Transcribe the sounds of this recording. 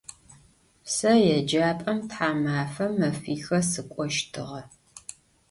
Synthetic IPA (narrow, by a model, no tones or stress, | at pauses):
sɐjɛd͡ʒaːpʼɐmtħaːmaːfɐmːɐfiːxɐsɨkʷʼɔʃtʰɨʁɐ